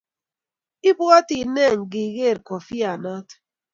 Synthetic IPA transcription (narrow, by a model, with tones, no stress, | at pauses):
i˦bwɔ˦ti˨nɛ˦˨ŋɡi˨ɣe˦˨ɾkɔ˨fi˦a˨nɔ˦t